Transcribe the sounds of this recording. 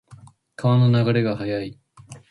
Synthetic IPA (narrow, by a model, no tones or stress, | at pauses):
kʰaβano̞naɡaɾe̞ɡaɦajai